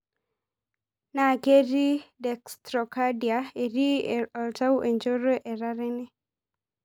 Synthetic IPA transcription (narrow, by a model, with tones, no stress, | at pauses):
na˨ke˦ɾi˦dɛ˨kstɾɔ˨ka˦di˨ae˨ɾi˦ɔ˨lta˦wʔe˨ɲd͡ʒo˦ɾɔ˦ʔɛ˨ɾa˦ɾɛ˦nɛ˦